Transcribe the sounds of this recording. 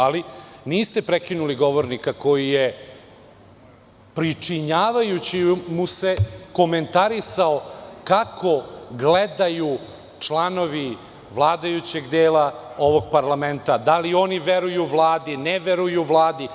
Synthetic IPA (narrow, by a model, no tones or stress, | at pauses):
aliniːst̪e̞pɾekinuliɡo̞ʋoɾnikako̞jije | pɾit͡ʂiɲaːʋajut͡ɕimuse̞ko̞me̞nt̪aɾisaokakʰo̞ɡled̪aju | t͡ʂlˠano̞ʋi | ʋlˠaːd̪ajut͡ɕe̞ɡd̪eːlˠao̞ʋo̞ɡ̚paɾlˠamẽ̞nt̪ad̪alio̞niʋeɾujuʋlˠaːd̪ineʋeɾujuʋlˠaːd̪i